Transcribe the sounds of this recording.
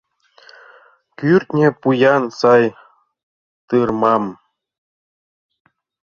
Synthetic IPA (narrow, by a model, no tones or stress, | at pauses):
kʲyrʲt̪ʲnʲĕpujɑnsɑj | t̪ɯrmɑm